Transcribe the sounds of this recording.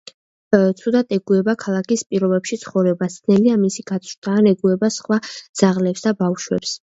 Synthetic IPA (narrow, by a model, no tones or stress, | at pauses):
t̪sʰud̪at̪ʼɛɡuɛbakʰalˠakʰispʼiɾɔbɛpʃit̪sʰχɔvɾɛbast̪nɛliamisiɡ̥at̪sʰt̪ʰaːnɛɡuɛbasχwad̪z̥aʁlɛpsd̪abafʃwɛ̰ps